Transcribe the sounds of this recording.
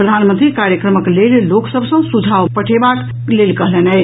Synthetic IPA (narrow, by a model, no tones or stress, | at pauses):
pɾəd̪ʱanmənt̪ɾikaɾjəkɾəməklelloksəbʱsə̃sud͡ʒʱawpəʈʰebak | lelkəɦlenə